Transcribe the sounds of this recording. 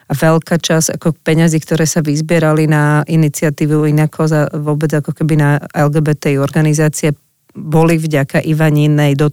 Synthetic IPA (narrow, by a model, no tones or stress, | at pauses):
aʋɛʎkat͡ʃaz̥a̰kɔk̚pɛɲaziːkt̪ɔɾɛːsaʋizbɪɛɾalinaʔinit͡sɪat̪iːʋuinakʰɔzaʋʊɔbɛd͡zakɔkɛbinaɛlɡɛːbɛt̪ɛiɔɾɡanizaːt͡siɛ | bɔlivɟakaʔiʋaɲinːɛjd̪ɔ